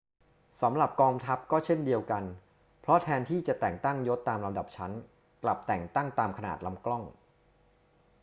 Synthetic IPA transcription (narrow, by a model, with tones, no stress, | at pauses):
sa˩˦mɾa˨˩p̚kɔː˧ŋt̪ʰa˦˥p̚kɔː˥˩t͡ɕʰe˥˩ndi˧əwka˧n | pʰɾɔ˦˥t̪ʰɛː˧nt̪ʰiː˥˩t͡ɕa˨˩t̪ɛː˨˩ŋt̪a˥˩ŋjo˦˥t̪ːaː˧mɾa˧mda˨˩p̚t͡ɕʰa˦˥n | kla̰˨˩p̚t̪ɛː˨˩ŋt̪a˥˩ŋt̪aː˧mkʰa˧na̰ː˨˩t̪̚la˧mklɔ˥˩ŋ